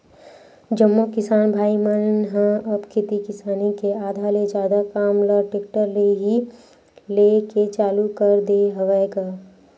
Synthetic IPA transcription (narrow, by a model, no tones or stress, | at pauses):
d͡ʒəmːokɪsaːnbʱaːimənnɦə̃əbkʰɪt̪ikɪsaːnikeaːd̪ʱaːled͡ʒjaːd̪akaːmləʈek̚ʈəɾleɦi | leket͡ʃaːlukəɾd̪eɦəʋɛɡaː